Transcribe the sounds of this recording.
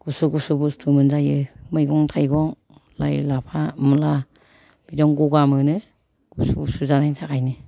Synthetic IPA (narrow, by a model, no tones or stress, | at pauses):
ɡ̥usuɡusubustʰumɯnzajɯmɯjɡɔŋtʰajɡɔŋ | lajlapʰamla | b̥idɔŋɡuɡamɯnɯ | ɡ̥usubusuzanajtʰakʰajnɯ